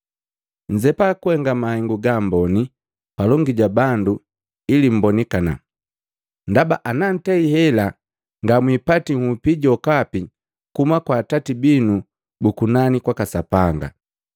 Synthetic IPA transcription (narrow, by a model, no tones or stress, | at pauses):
ɲd͡ʒɛpakuhɛŋɡamahɛŋɡuɡambɔni | palɔŋɡiɟabandu | ilim̩bɔnɛkana̰ | ndabaʔanan̩tɛihɛla | ŋɡamwipatiŋ̩hupiɟɔkapi | kumakwaːtatibinu | bukunanikwakasapaŋɡa̰